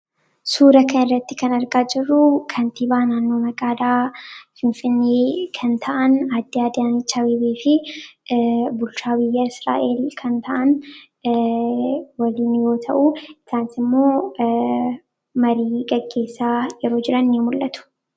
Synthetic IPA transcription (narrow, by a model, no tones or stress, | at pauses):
suːɾɐkʰɐnɪrːɐt̪ːɪkɐnɐɾɡaːd͡ʒɪrːʊkʰɐnt̪iːbaːnaːnːo̞ːmɐkʼaːd̪aːfɪnfɪnːeːkʰɐnt̪ʰɐʔɐnad̪ːɪaːd̪ant͡ʃɐwiːbeːfɪ | bʊlt͡ʃaːbɪjːɐɪsɾa̰ːʔe̞ːlkʰɐnt̪ʰɐʔɐn | wɐliːnjo̞ːt̪ʰɐʔuɪsaːnsɪmːo̞ː | mɐɾiːɡɐɡːe̞ːsːaːjɛɾo̞ːd͡ʒɪɾɐnjimʊlːɐt̪ʊ̥